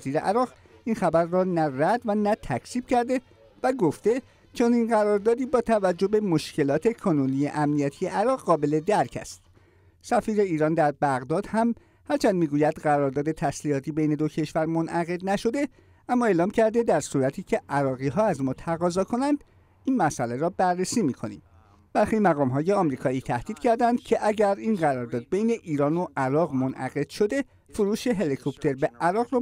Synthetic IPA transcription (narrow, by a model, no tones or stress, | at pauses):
ziːɾeʔæɾɒːɣ | ʔiːnxæbæɾːɒːnæræd̪vænæt̪ʰæcʰsiːb̥cæɾd̪e̞ | væɡo̞ft̪e̞ | t͡ʃʰoninɢæɾɒɾd̪ɒːd̪iːbɒːt̪ʰævæd͡ʒːobe̞mo̞ʃcʰe̞lɒːt̪ʰe̞kʰonunijḛʔæmnijæt̪ʰijeʔæɾɒːʁːɒːbe̞le̞d̪æɾcʰæ̰st̪ | sæfiːɾe̞iːɾɒːnd̪æɾbæɣd̪ɒːd̪hæm | hæɾt͡ʃʰænd̪miːɡuːjæd̪̥ɢæɾɒːɾd̪ɒːd̪e̞t̪ʰæslihɒːt̪ʰiːbejne̞d̪o̞cʰe̞ʃvæɾmo̞nʔæɣe̞d̪næʃo̞d̪e̞ | æmːɒːe̞ːlɒːmcʰæɾd̪e̞d̪æɾsuɾæt̪ʰiːcʰe̞ʔæɾɒːɣiːɦɒːæzmɒːt̪ʰæɣɒːzɒːkʰo̞nænd̪̥ | iːnmæsʔæleɾɒːbærːe̞siːmiːkʰo̞nḭːm | b̥æɾxiːmæɣɒːmɦɒːje̞ɒmɾiːkʰɒːiːt̪ʰæhd̪̥iːd̪̥cʰæɾd̪ænd̪̥̚cʰe̞ʔæɟæɾiːnɢæɾɒːɾd̪ɒːd̪̚bejne̞ʔiːɾɒːno̞ʔæɾɒːɣmonʔæ̰ɣe̞d̪̥ʃo̞d̪e̞ | foɾuːʃe̞ɦe̞likʰopt̪ʰe̞ɾbe̞ʔæɾɒːɣɾɒː